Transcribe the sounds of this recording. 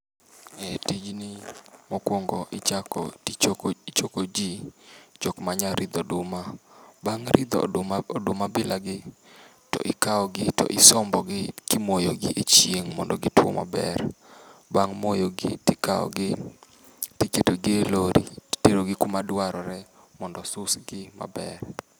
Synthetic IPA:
etid͡ʒnɪmɔkwɔŋɡɔʔɪt͡ʃakɔ̰it͡ʃkt͡ʃokod͡ʒit͡ʃɔkmaɲaɾʔɪd̪odʊmabaŋɾɪd̪ɔ̰odʊmabɪlaɡɪ | tɔ̰ʔɪkaɔɡɪtɔ̰ʔɪsɔmbɔɡɪkɪmojoɡɪʔet͡ʃjeŋmɔndɔɡɪtwɔ̰ma̰bɛ̰rbaŋmojoɡɪ̰tɪkaɔ̰ɡɪ | tiketoɡɪeloɾḭ̥teɾoɡɪkʊmadwaɾɔɾɛ | mɔndɔsʊsɡɪma̰bɛr

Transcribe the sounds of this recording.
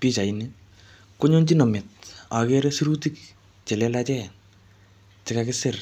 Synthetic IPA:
pit͡ʃaini | koɲont͡ʃinɔmɪt̚akɛɾesiɾutik̚ | t͡ʃɛlɛlat͡ʃɛn | t͡ʃɪkakɪsɪr

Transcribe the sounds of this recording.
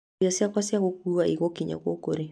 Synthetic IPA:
iasiakwasjaɣokuaʔiɣɔkiɲa̰kwokoɾe

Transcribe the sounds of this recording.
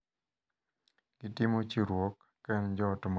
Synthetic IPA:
ɡ̥itɪmot͡ʃiɾwokːɛnd͡ʒɔtʊm

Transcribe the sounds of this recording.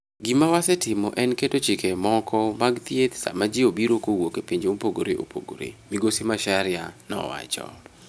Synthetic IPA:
ɡimawasɛtɪmɔʔɛnketot͡ʃɪkɛmɔkʰɔmaɡt̪jet̪sa̰mad͡ʒiobiɾokowokepiɲd͡ʒmopoɡoɾeʔo̰pʰo̰ɡo̰ɾḛmiɡosimaʃaɾɪanɔ̰wa̰t͡ʃɔ̰

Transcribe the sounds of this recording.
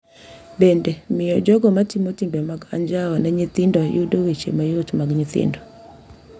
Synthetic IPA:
bɛndɛmɪɔd͡ʒɔɡɔmatimotimbɛmaɡa̰ɲd͡ʒawɔnaɲit̪ɪndɔjudowet͡ʃḛmajotmaɡɲit̪ɪ̰ndɔ

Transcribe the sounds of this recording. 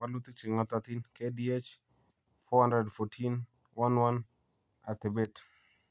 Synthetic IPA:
walut̪ik̚t͡ʃiŋat̪at̪inkediet͡ʃ | fɔhãndɾɛdfɔtʰin | wanwan | at̪ɪbɛt

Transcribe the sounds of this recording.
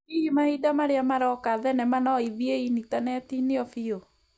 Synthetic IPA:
iimaidamaɾeamaɾɔkaðɛnɛmanɔiðieinitanɛtineɔfio

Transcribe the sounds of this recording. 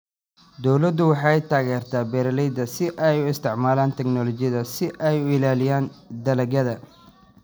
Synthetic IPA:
d̪ɔwlɐd̪ʊwɑħɑːɛjt̪ʰaːɣɛːrt̪ʰaːbɛːɾɐlɛjd̪ɐsɪʔɛjʊɪst̪ʰɪʕmaːlaːnt̪ʰɛɡnɔlɔt͡ʃɪjɐðɐsɪʔɛjʊɪlaːlɪjaːnd̪ɐlɐɡɐðɐ

